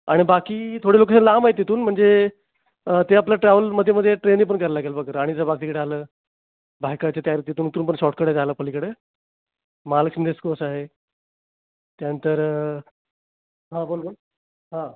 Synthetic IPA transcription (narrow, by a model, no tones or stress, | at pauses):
a̰ɽ̃ibakiːt̪ʰoɽeloksənlamaɦet̪ːet̪uːnm̤əɳd͡ze | t̪eapljaʈɾɛʋəlməd̪ʱjeməd̪ʱːjeʈɾeniːp̬əɳkəɾlaɡelbakəɾaɽisabakt̪ikəɽealəː | bʱajkat͡ɕat̪jaɾit̪et̪uːnt̪uːnpəɳɕɔʈ̚kəɽet̪aləːpəlikəɽeː | maləksənd̪eskoəsaɦe | t̪janənt̪əɾ | ɦãbolbol | ɦã